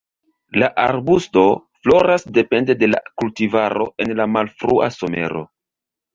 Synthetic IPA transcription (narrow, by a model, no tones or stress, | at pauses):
laʔaɾbusto̞flo̞ɾasde̞pe̞nde̞de̞la̰kultivaɾo̞ʔe̞nlamalfɾua̰so̞me̞̰ɾo̞̰